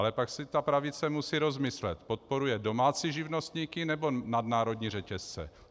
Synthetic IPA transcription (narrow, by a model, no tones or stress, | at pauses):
lɛpaksɪt̪apɾavɪt͡sɛmusiːɾo̞zmɪslɛt̪po̞t̪̚po̞ɾujɛdo̞maːt͡siːʒɪvno̞st̪ɲiːkɪnɛbo̞nadnaːɾo̞dɲiːr̝ɛcɛst͡sɛ̰